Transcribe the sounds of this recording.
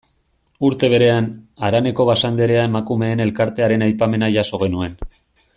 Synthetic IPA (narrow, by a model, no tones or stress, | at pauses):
uɾt̪e̞β̞e̞ɾe̞anaɾane̞ko̞β̞asand̪e̞ɾe̞aemakume̞ːne̞lkaɾt̪e̞aɾe̞najpame̞naʝaso̞ɣ̞e̞nue̞n